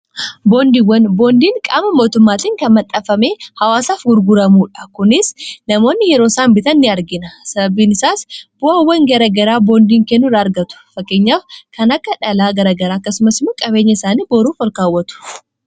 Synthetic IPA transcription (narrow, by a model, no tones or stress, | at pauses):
bo̞ːnd̪iwːɐnbo̞ːnd̪iːŋkʼa̰ːmɐmo̞ːt̪ʊmːaːt̪iːŋkɐnmɐt̪ʼːɐfɐme̞ːhɐwaːsaːfɡʊɾɡʊɾɐmuːᶑɐ̥kʊnɪsnɐmo̞ːnːɪjɛɾo̞ːsaːmbɪt̪ɐnːɪɐɾɡɪnɐsɐbɐbiːnɪsaːsb̥ʊawːɐŋɡɐɾɐɡɐɾaːbo̞ːnd̪iːŋkɛnːʊɾaɐɾɡɐt̪ʊ̥fɐkːe̞ːɲːaːfkɐnɐkːɐᶑɐlaːɡɐɾɐɡɐɾaːɐkːɐsʊmɐsɪmɐkʼɐbe̞ːɲːɐɪsaːniːbo̞ːɾuːfwɐlkaːwːɐt̪ʊ̥